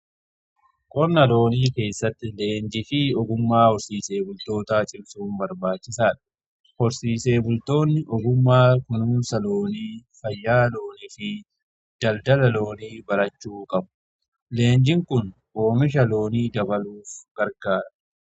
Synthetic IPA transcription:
kʼɔɾnɐlo̞ːniːke̞ːsːɐt̪ːɪle̞ːnd͡ʒɪfɪɔɡʊmːaːhɔɾsiːse̞ːbʊlt̪o̞ːt̪aːt͡ʃʼɪbsuːnbɐɾbaːt͡ʃːɪsaːᶑɐ̥ | hɔɾsiːse̞ːbʊlt̪o̞ːnːɪʔɔɡʊmːaːkʊnuːnsɐlo̞ːniːfɐjːaːloːnifɪ | d̪̥ɐld̪ɐlɐlo̞ːniːbɐɾɐt͡ʃːuːkʼɐbʊ̥ | le̞ːnd͡ʒɪŋkʊn | ʔo̞ːmɪʃ̬ɐlo̞ːniːd̪ɐbɐluːfɡ̥ɐɾɡaːɾɐ

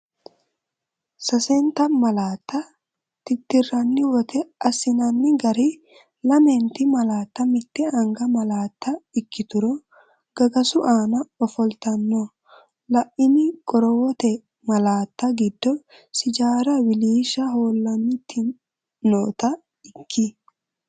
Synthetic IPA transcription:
sɐsɛnt̪ɐmɐlaːt̪ːɐ | t̪ɪt̪ːɪrːɐnːɪwɔt̪ʰɛɐsɪnɐnːɪɡɐɾi | lɐmɛnt̪ɪmɐlaːt̪ːɐmɪt̪ːɛɐŋɡɐmɐlaːt̪ːɐɪkːɪt̪ʊɾɔ | ɡ̥ɐɡɐsʊʔaːnɐɔfɔlt̪ɐnːɔ | lɐʔɪnɪkʼɔɾɔwɔt̪ɛ | mɐlaːt̪ːɐɡɪd̪ːɔ | sɪd͡ʒaːɾɐwɪliːʃɐɦoːlːɐnːɪt̪ʰːɪ | noːt̪ɐ | ɪkʰːɪ

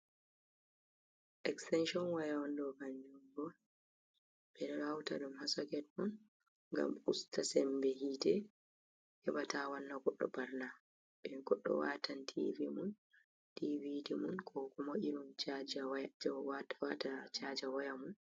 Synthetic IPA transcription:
ʔɛkstɛnʃɔnwajawandɔkand͡ʒuŋɡɔ | b̥ɛɾɛɾawta̰ɗumhasɔkɛt̚mɔn | ŋɡa̰mustasɛmbɛɦitɛ | hɛbatawanːaɡɔɗːɔ̰baɾna | ɓɛnɡɔɗːɔ̰watʰantʰivimun | tividimunkʰɔkɔmɔʔiɾunt͡ʃad͡ʒawd͡ʒwatwatat͡ʃad͡ʒawajamun

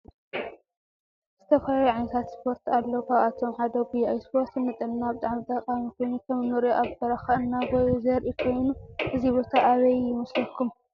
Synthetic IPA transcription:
z̥ɨt̪ʰɐfɐlaluʕajnɐt̪ʰat̪spʰo̞ɾt̪alːɐwkʰaat̪ʰo̞mʕad̪obiajspʰo̞ɾt̪nɨt̪ʼɨnnabɨt̪ʼaʕmit̪ʼɐqʼamikʰo̞jnut̪ʰɐmnoɾoʔaβb̪ɐɾaxɐɨnːawɔjzɐɾʔikʰo̞jnuʔɨzibo̞t̪ʰaʔːβɐjjɪmɐslɐkʰum

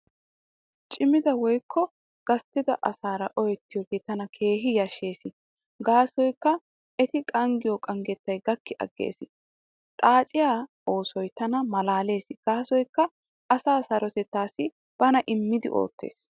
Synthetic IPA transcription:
t͡ʃʼɪmɪd̪ɐwɔjkʰːɔ | ɡ̥ɐst̪ːɪd̪ɐ̰ʔɐsaːɾɐ̰ʔɔjɛt̪ːɪjɔɡet̪ɐnɐkʰe̞ːɦɪjɐʃːe̞ːsɪ | ɡaːsɔjkːɐ | ʔɛt̪ɪkʼɐŋɡɪjɔkʼɐŋɡɛt̪ːɐjɡɐkːɪʔɐ̰ɡːḛːsɪ | t̪ʼaːt͡ʃʼɪjaːʔoːsɔjt̪ɐnɐmɐlaːle̞ːsɪɡ̥aːsɔjkːɐ | ʔɐsaːsɐɾɔt̪ɛt̪ːaːsɪ | b̥ɐnɐʔɪmːɪd̪ɪ̰ʔo̞̰ːt̪ːḛːs

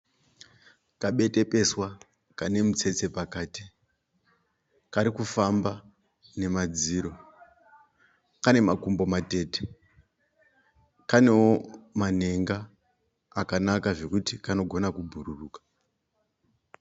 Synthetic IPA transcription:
kaɓe̞te̞pe̞swa | kane̞mut͡se̞t͡se̞pakaːti | kaɾikufamba | ne̞mad͡ziːɾo̞ | kane̞makumbo̞mate̞ːte̥ | kane̞woman̤e̞ŋɡaː | kanakaʐe̞kutikano̞ɡʱo̞nakubʱururuːkḁ

